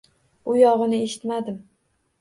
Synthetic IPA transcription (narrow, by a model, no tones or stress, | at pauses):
ʊjɒʁɨnɪe̞ʃɪ̥t̪mad̪ɪm